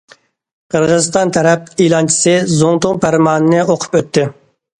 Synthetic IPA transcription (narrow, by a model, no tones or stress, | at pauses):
qʰəɾʁəzɨst̪ɑnt̪ʰɛɾɛp̚ilˠɑnt͡ʃʰi̥sɨzoŋt̪ʊŋpʰæɾmɑːnɨnɨoqʰʊ̥pøt̪ʰːɪ